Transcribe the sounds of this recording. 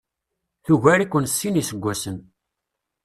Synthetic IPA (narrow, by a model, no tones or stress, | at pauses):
θuʝæɾikʷːənsːinisəɡʷːæsən